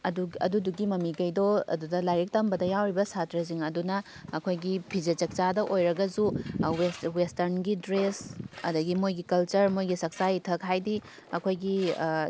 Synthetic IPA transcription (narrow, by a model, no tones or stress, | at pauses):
ɐduɐ̰duduɡimɐmiɡɐjdoɐ̰dudɐlajɾik̚tɐmbɐdɐjawɾibɐsatɾɐziŋɐdunɐː | kʰojɡipʰid͡ʒet͡ʃɐk̚t͡ʃadɐʔojɾɐɡɐzuweswestɐɾnɡidɾesɐ̰dɐɡimojɡikɐlt͡ʃɐɾmojɡisɐk̚sajtʰɐkɦajdi | ɐkʰojɡi